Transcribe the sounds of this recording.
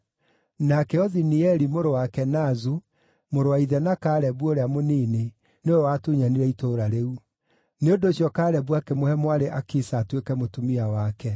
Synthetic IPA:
nakɛɔðiniɛɾimoɾowakɛnazu | moɾowaiðɛnakaːɾɛbuoɾeamoniːne | neoɛwatuɲaniɾɛitoɾaɾeu | neodoɕjɔkaːɾɛbwakɛmohɛmwaɾeʔakisaːtwekɛmotumiawakɛ

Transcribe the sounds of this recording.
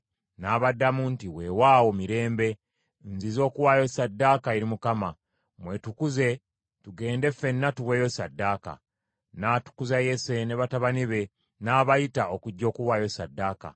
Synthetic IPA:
naːβadːamuntiwewaːwomiɾe̞ːmbe̞ | nzizo̞ːkuwaːjosadːaːkaeɾimukama | mwetukuze̞ | tuɡe̞ːnde̞fe̞nːatuwe̞ːjosadːaːka̰ | natu̥kuzaje̞se̞ne̞βataβaniβe̞ | naːβajitaokuɟːo̞ːkuwaːjo̞sadːaːka̰

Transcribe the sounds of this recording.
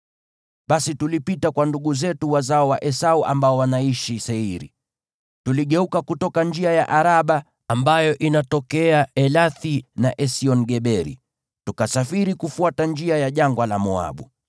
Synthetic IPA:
ɓasitulipitakwanduɠuzɛtuwazaɔwaʔɛsauʔa̰mbaɔwanaiʃisɛiɾḭ | tuliɠɛukakutɔkand͡ʒiajaʔaɾaɓa | ambajɔʔinatɔkɛaɛlaθinaʔɛsiɔnɡɛɓɛɾḭ | tukasafiɾikufuatand͡ʒiajaʄaŋɡwalamɔa̰ɓu

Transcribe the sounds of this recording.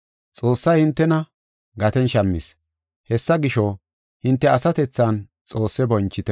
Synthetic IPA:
t͡sʼoːsːɐjhɪnt̪ːɛnɐ | ɡɐt̪ɛnʃɐmːɪs | hɛsːɐɡɪʃɔ | hɪnt̪ːɛɐsɐt̪ɛt͡sːɐn | t͡sʼo̞ːsːɛbɔnt͡ʃːɪt̪ɛ

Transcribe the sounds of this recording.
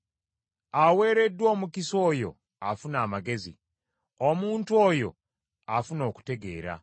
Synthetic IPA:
awe̞ːɾe̞dːwo̞ːmukiso̞ːjo̞̰ | afunaːmaɡe̞zḭ | omuːntuo̞jo̞̰ | afuno̞ːku̥te̞ɡe̞̰ːɾa̰

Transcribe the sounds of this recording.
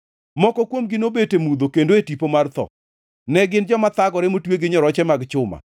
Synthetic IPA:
mɔkɔkwomɡɪnobetemud̪okendoetipomart̪ɔ̰ | nɛɡɪnd͡ʒɔmat̪aɡɔɾemotweɡɪɲɔɾɔt͡ʃɛmaɡt͡ʃʊma̰

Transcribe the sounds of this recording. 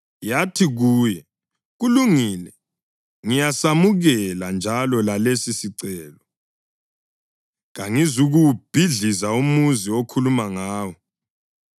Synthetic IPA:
jatʰiɣuːjɛ | ɣuluŋiːlɛ | ŋijasamuɣɛland͡ʒʱalɔlalesisiǀɛːlɔ | ɣaŋizuɣuwb̥ʱiɮizaumuziokʰulumaŋaːwɔ

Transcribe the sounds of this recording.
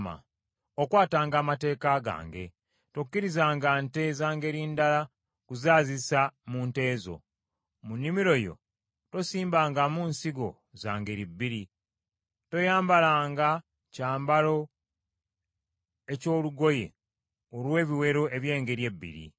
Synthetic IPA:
ma̰ | okwaːtaːŋɡaːmate̞ːkaɡa̰ːŋɡe̞̰ | tokːiɾizaːŋɡante̞ːzaːŋɡe̞ɾiːndala | kuzaːzisamuːnte̞ːzo̞̰ | munːimiɾo̞jo̞̰ | to̞siːmbaːŋɡamuːnsiɡo̞̰ | zaːŋɡe̞ɾibːiɾi | to̞jaːmbalaːŋɡa | caːmbalo̞ | e̞co̞ːluɡo̞je̞̰ | olwe̞ːβiwe̞ɾo̞e̞βje̞ːŋɡe̞ɾje̞bːḭɾḭ

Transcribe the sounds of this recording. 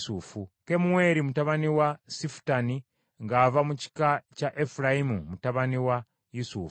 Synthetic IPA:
sufuke̞muwe̞ːɾimutaβaniwasifu̥tani | ŋɡaːvamuci̥kacaʔefuɾajimumutaβaniwa | jusuf

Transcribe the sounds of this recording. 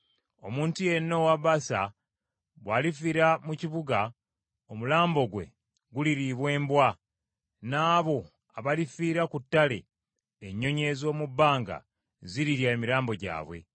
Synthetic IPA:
o̞muːntuje̞nːo̞waβasa̰ | βwaːlifiːɾamuciβuɡa | omulaːmbo̞ɡwe̞̰ | ɡuliɾiβwe̞ːmbwa | naːβo̞ | aβalifiːɾakutːale̞̰ː | ɲːo̞ɲe̞zo̞ːmubːaːŋɡa̰ | ziɾiɾjaemiɾaːmbo̞ɟa̰ːβwe̞̰

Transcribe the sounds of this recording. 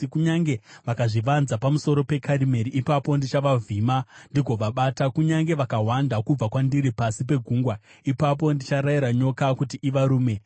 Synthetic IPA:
kuɲaŋɡe̞ʋakaʐiʋanzapamuso̞ɾo̞pe̞kʰaɾime̞ɾiʔipapo̞ndit͡ʃaʋavʱiːmandiɡʱoʋaɓaːtakuɲaŋɡe̞ʋakaɦwandakub͡vakwandiɾipasipe̞ɡʱuŋɡwa | ipap̬o̞ndit͡ʃaɾaiɾaɲo̞kakutiʔiʋaɾuːme̞

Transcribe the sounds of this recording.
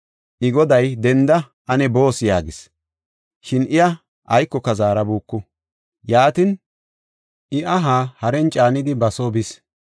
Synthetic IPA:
ʔɪɡɔd̪ɐjd̪ɛnd̪ɐ | ʔɐnɛbo̞ːsjaːɡɪs | ʃɪnɪjɐ | ʔɐjkːɔkːɐzaːɾɐbuːkːʊ | jaːt̪ɪn | ʔɪʔɐɦaːhɐɾɛnt͡ʃʼaːnɪd̪ɪbɐsobɪs

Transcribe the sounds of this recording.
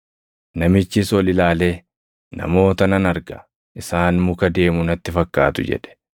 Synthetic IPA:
nɐmɪt͡ʃːɪsɔlɪlaːle̞ː | nɐ̰mo̞ːt̪ɐnɐnɐɾɡɐ̰ | ʔɪsaːnmʊkɐd̪e̞ːmʊnɐt̪ːɪfɐkːa̰ːt̪ʊd͡ʒɛ̰ᶑɛ̥

